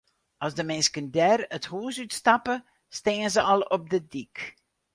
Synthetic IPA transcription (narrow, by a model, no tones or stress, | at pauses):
ʔɑlˠzdəmɛnskəndɛrəthuːsytstɑpə | steːənzəʔɑlˠɔb̚dədik